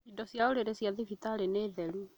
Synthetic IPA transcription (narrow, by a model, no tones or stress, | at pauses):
idɔsjaoɾeɾesijaðifitaːɾeneːðɛɾu